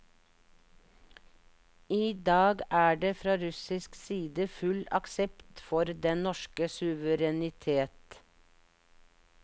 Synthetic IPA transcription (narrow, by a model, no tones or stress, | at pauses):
iːd̪ɑːɡæːɖeːfɾɑːɾʉsɪsksiːd̪əfʉlɑksɛpt̪fɔɾd̪ɛnnɔʃkəsʉʋəɾɛnɪt̪ʰeːt̪